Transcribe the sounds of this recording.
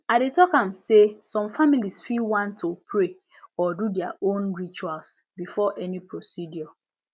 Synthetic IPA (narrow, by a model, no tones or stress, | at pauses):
aɪdetɔkãmsesɔ̃mfamilisfilwãntʰːopʰɹe | ɔdudɛaʔõnɹit͡ʃuals | bifɔʔɛnipɹosidjɔ